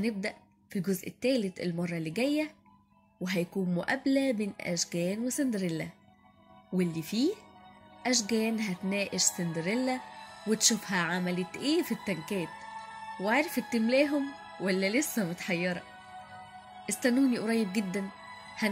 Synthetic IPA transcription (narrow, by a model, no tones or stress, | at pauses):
hneb̚d̪æʔ | filɡozʔet̪ːæːlet̪elmɑrˤːɑlːiɡæjːæ | weɦæjkuːnmʊʔæblæmeːnʔæ̰ʃɡæːnwesend̪ɾelːæ | welːifiː | ʔæʃ̬ɡæːnɦæt̪næːʔeʃsend̪ɾelːæwet̪ʃufhæʕamælet̪ʔeːfit̪ːæŋkæːt̪waʕɾˤefet̪ːemlæːɦom | wælːælesːæmot̪ħɑjːɑɾˤɑ | ʔest̪ænːuːniʔoɾˤɑjːeb̚ɡed̪ːæn | hæ